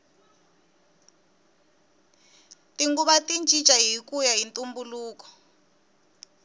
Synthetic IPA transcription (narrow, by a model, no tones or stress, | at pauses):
tiŋɡuβatint͡ʃʼi̥t͡ʃʼaɦikujaɦintʼumbuluːkɔ̥